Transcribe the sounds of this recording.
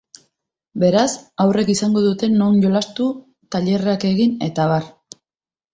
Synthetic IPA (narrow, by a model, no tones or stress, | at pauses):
be̞ɾasawre̞kisaŋɡo̞ðut̪e̞no̞njo̞last̪u | t̪aʎe̞rake̞ɣine̞̰t̪aβar